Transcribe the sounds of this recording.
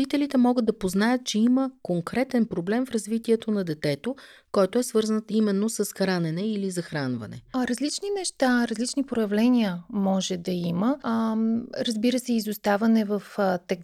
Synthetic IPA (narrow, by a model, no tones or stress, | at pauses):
it̪ɛlit̪ɛmɔɡəd̪ɐpoznajət̪̚t͡ʃɛiməkoŋkɾɛt̪ɛnpɾoblɛmfɾɐzvit̪iɛt̪onɐd̪ɛt̪ɛt̪okɔjt̪oɛsvɤɾzənt̪imɛnːosɐsxɾanɛnɛilizɐxɾanvɐ̰nɛ̰ɾɐzlit͡ʃninɛʃt̪aɾɐzlit͡ʃnipɾojɐvlɛniəmɔʒɛd̪ɐimə | ɾɐzbiɾəsɛizust̪avɐnɛvɐft̪ɛ